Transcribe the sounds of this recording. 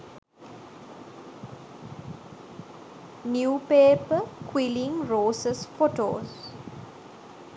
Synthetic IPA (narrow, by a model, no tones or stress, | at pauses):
njuːpeːpəkʰwilĩŋɾoːsəsfoʈo̰ːz